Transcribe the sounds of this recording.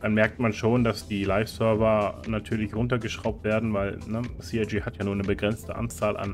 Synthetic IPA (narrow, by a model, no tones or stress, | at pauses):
d̥anmɛɐk̚tmanʃoːndasd̥iːlaɪfsœɐvɐnatʰyːɐlɪçʁʊntɐɡəʃʁ̥aʊp̚tv̥eːɐdn̩vaɪlnəsiːaɪd͡ʒiːhatjaːnuːɐnəbəɡʁɛnt͡stəʔa̰nt͡saːlʔa̰n